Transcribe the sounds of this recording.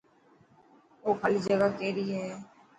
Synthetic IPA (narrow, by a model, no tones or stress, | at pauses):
oːkʰəlid͡ʒəɡaːkɛːɾiːɦɛː